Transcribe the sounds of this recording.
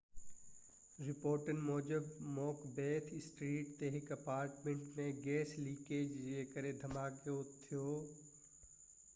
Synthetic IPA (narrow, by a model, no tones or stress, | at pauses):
ɾɪpoːɾʈənmoːd͡ʒəbmɔːkbeːt̪ʰɪsʈɾiːʈt̪eːɦɪkɐpaːɾʈmẽɳʈmẽɡeːsliːkeːd͡ʒeːkəɾed̪ʱɐmaːkot̪ʰijoː